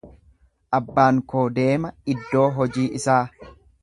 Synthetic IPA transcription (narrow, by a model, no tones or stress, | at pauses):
ʔɐbːaːŋkoːd̪e̞ːmɐɪd̪ːo̞ːɦɔd͡ʒiːʔɪsaː